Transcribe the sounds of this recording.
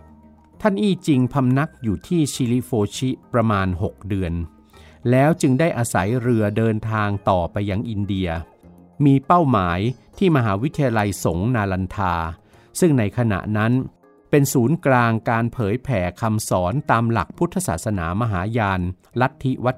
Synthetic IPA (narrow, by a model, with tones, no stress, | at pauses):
t̪ʰa˥˩nʔiː˥˩t͡ɕi˧ŋpʰa˧mna˦˥k̚juː˨˩t̪ʰiː˥˩t͡ɕʰi˧li˦˥foː˧t͡ɕʰi˦˥pɾa˧maː˧nɦo˨˩k̚dɯ˧ən | lɛː˦˥wt͡ɕɯ˧ŋdaː˥˩jʔaː˧sa˩˦jɾɯ˧ɐdɤː˧nt̪ʰaː˧ŋt̪ɔː˨˩pa˧jːa˧ŋʔi˧ndi˧ɐ | miː˧pa˥˩wmaː˩˦jt̪ʰiː˥˩ma˧ɦaː˩˦wi˦˥t̪ʰːi˧ja˧la˧jso˨˩˦ŋnaː˧la˧nt̪ʰaː˧ | sɯ˥˩ŋna˧jkʰa˧na̰˨˩ʔna˦˥n | pe˧nsuː˩˦nklaː˧ŋkaː˧npʰɤː˩˦jpʰɛː˩˦kʰa˧msɔː˩˦nt̪aː˧mla̰˨˩k̚pʰu˦˥t̪ʰːa˧sa̰ː˨˩t̪̚sa˧na̰ː˩˦ma˧ɦaː˩˦jaː˧n | la˦˥t̪ʰːi˦˥wa˦˥t̪